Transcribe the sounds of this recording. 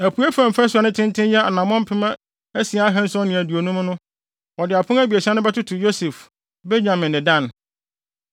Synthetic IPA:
æ˨pʰu˨˦æ˦fã˨m̩˨fa˦sʊ˨a˨nʊ̃˦tʰɪ̃˦ntʰɪ̃˦njɛ˦a̰˨nã˨mɔ̃˦m̩˦pʰɪ˦mã˦ | æ˦si˨a˨˦a˦ɦɛ̃˦n̩˦sʊ˦ɔ˦nɪ̃˨æ˨di˨o˨nũ˦m˦nʊ̃˦ | ɔ˨dɪ˨a˨pʰʊ̃˦æ˦bi˨æ˨si˦ã˦nʊ̃˦bɛ˦tʊ˦tʰʊ˨jo˦sɛ˨f | be˦ɲã˨mɪ̃˨nːɪ̃˨dã˦n

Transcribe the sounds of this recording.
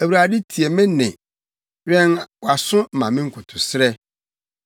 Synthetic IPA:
æ˨wu˨ɾa˨dɪ˦tʰi˨e˨mɪ̃˦nɪ̃˨ | ɾɛ̃˦nwa˨sʊ̃˦m̩˨mã˨mɪ̃˦ŋ̩˦kʰʊ˨tʰʊ˨sɾɛ˦

